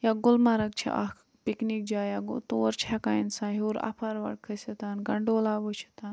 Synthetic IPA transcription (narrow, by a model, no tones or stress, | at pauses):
jaɡʊlmaɾɐk̚t͡ʃʰḭʔa̰ | piknik̚d͡ʒaːjaɡot̪oːɾt͡ʃʰakaːjinsaːɦuɾa̰pʰaɾʋɐ̰ɽ̚kʰəsɐt̪anɡɐɳɖoːlaːʋot͡ʃʰi̥t̪aːn